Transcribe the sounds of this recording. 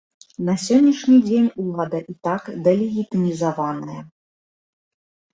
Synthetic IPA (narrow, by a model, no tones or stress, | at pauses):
nɐsʲɔnʲːiʂnʲid͡zʲenʲulˠad̪ɐʔit̪akd̪ɛlʲiɣʲit̪ɨnʲizavanɨjɐ